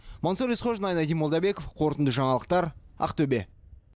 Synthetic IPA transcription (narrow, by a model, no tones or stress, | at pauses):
monsoɾisχoʒnɑjnɑd̪ijmod̪ɑbe̞ko̞fqʰo̞ɾət̪ənd̪əʒɑɴɑlˠəq̚t̪ɑɾɑ̰qt̪ʰɵbe̞̰